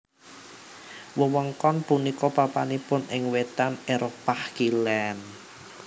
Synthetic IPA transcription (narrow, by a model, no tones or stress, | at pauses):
wəwəŋkɔnpunikɔpapanipʊnɪŋwet̪aneɾopahkilɛn